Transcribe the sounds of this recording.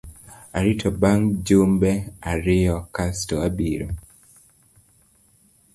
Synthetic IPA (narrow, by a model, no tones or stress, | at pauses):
aɾitʰɔbaŋd͡ʒombɛaɾɪjɔkastɔabiɾo̰